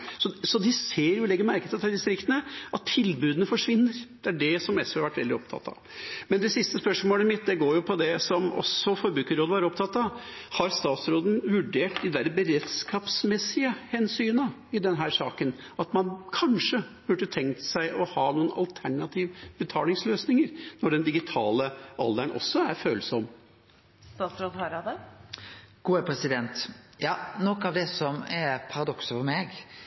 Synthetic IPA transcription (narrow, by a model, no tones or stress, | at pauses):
sɔsɔd̪ɪseːɾjʊlɛɡːəɾmæɾkət̪ʰt̪ʰɑld̪ɪst̪ɾɪkt̪ənəʔɑt̪ʰːɪlbʉːd̪ənəfɔʂʋɪnːəɾd̪̥ɛæɖɛsɔmɛsʋeːɑɾʋæʈʋɛ̰ld̪ɪɔpt̪ʰɑ̰t̪ːɑ̰ | mɛnd̪ɛsɪst̪əspœʂmoːləɪmɪt̪̚d̪ɛɡoːɾjʊpʰɔd̪ɛsɔmɔ̰sɔfɔɾbɾʉːkəɾoːd̪əʋɑːɾəɔpt̪ʰɑt̪ːɑhɑɾst̪ɑːt̪sɾoːd̪n̩ʋʉɖeːʈd̪ɪd̪æɾəbəɾed̪skɑːpsmɛsɪəhɛnsyːnɑɪd̪ɛnɦæːʂɑːkən | ɑt̪mɑnkʰɑnʂəb̥ʉɖət̪ʰɛŋkt̪sæɪʔɔhɑːnuːənɑ̰lt̪ʰæɳɑt̪ʰiːʋbət̪ʰɑːlɪŋsløːsnɪŋəɾnɔɖɛnd̪ɪɡɪt̪ʰɑːləɑld̪æɳʔɔ̰sːɔæɾføːləsɔmː | st̪ɑːt̪sɾoːd̪hɑɾɑd̪ə | ɡ̥uːəpʰɾɛsɪd̪ɛnt̪jɑːnɔkːɑʋd̪ɛsɔmɛpʰɑɾɑd̪ɔksəfɔɾmeɡ